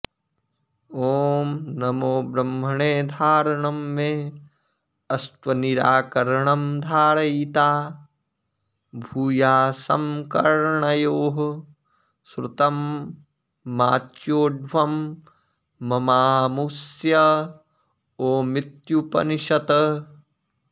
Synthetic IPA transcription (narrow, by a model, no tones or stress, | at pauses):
oːmnɐmoːbɾɐmːɐɳeːd̪ʱaːɾɐɳɐmːẽ | ɐst̪ʋɐniɾaːkɐɾɐɳɐmd̪ʱaːɾɐjt̪aː | bʱuːjaːsɐ̰mkɐɾɳɐjoːɦ | sɾɪt̪ɐm | aːt̪joːɖʱʋɐmː | ɐmaːmusjɐ | oːmɪt̪jupɐ̰niʃɐt̪ɐ